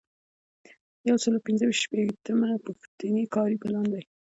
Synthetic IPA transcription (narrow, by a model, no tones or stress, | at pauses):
jawsəlowpɪnzəwiʃt̪ʃpet̪əmapuxt̪ənikɑɾipəlɑnd̪aj